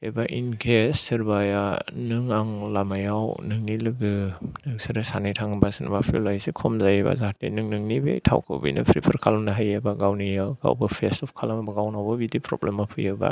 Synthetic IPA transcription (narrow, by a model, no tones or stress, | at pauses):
ebaʔinkʰesɯɾbajanɯŋaŋlamajawnɯŋnilɯɡɯnɯŋsɯɾɯsanɯjtʰaŋbasɯna̰bapʰḭlajsekʰɔmzajeba̰zaɦatḭnɯŋnɯŋnibḛjtʰa̰wkʰɯ̰wbḭjnɯ̰pʰɾipʰɯɾkʰalmnaɦajabaɡawnijaɡa̰wbɯpʰesɔpkʰalamabaɡawnawbabidipʰɾɔ̰blemapʰɯjɯba̰